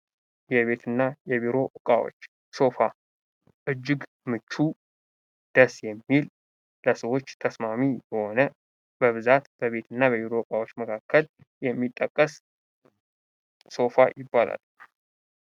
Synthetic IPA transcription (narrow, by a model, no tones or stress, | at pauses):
jɛβe̞t̪ʰɨnːajɛβiɾo̞ʔɨkʼa̰wo̰t͡ʃː | so̞fa | ʔɨd͡ʒːɨɡ | mɨt͡ʃːu | d̪̥əsjɛmːil | ləsəwo̞t͡ʃːt̪ʰəsmamijɛho̞nə | bəβɨzat̪b̥əβe̞t̪ʰɨnːaβəβiɾo̞ɨkʼawo̞t͡ʃːməkʰakʰːəl | jɛmːit̪ʼːəkʼːəs | so̞fajɪbːala̰l